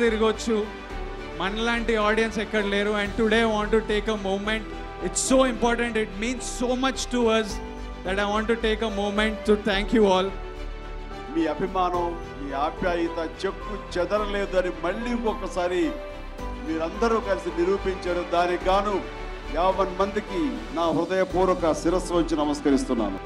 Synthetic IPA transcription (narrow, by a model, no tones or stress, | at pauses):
iɾiɡot͡ʃːu | mɐnlaːɳʈiaːɾɖijɐnsɛkːɐɽɐleːɾuɛ̃ɳɖʈuɽeːajʋaːɳʈuʈeːkemoːmẽɳʈ | iʈsːoːimpɔːɾʈɐ̃ɳʈiʈ̚mĩːnsːoːmɐt͡ʃʈuɐs | d̪ɐʈajʋãːɳʈuʈeːkemoːmẽɳʈːut̪ʰæːŋkjuːɔːl | miːɐbʱimaːnɐm | miːaːbjaːjɐt̪ɐt͡ʃepːut͡ʃɛd̪ɐɾɐleːd̪uɐnimɐɭːiːkɔkːɐsaːɾi | miːɾɐnd̪ɐɾuːkɐlisiniɾuːpiɲt͡ʃaːɽud̪aːniɡaːnu | jaːʋɐnmɐnd̪ikinaːɦɾud̪ɐjɐpuːɾɐkɐsiɾɐsʋɐɲt͡ʃinɐmɐskɐɾist̪unːa̰ːɾu